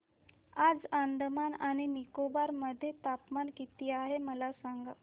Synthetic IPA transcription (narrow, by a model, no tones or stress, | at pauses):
ad͡zand̪manaɽ̃inikobaɾməd̪ʱːjet̪apmankit̪iːaɦeməlasaŋɡa